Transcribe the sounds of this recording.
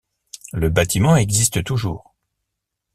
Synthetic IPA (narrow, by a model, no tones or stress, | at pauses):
ləbat̪ʰimɑ̃ɛɡzist̪ət̪uʒuːʁ